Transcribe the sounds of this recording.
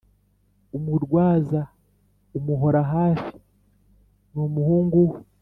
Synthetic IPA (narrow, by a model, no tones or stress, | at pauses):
umuɾɡwaːza | umuɦo̞ɾaɦaːfi̥ | numuhuːŋɡu